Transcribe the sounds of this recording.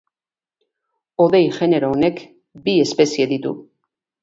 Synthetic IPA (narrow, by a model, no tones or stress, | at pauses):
o̞ðe̞jʝe̞ne̞ɾoonek | bie̞spe̞sieðit̪ṵ